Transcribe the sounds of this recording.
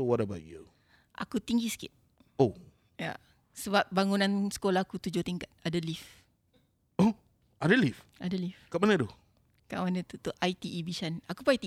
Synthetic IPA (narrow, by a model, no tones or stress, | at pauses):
wɔɾabaʔju | ʔa̰kut̪iŋɡisə̥kɪ̰t̪̚ | o | ja̰ | səbap̚baŋunãnsə̥kolahakut̪ud͡ʒot̪iŋkat̪̚adalif | o | adəlifʔadalifkaʔmanəd̪u | kaʔmanət̪ut̪ʊʔʔait̪iːbiʃanakupajat̪i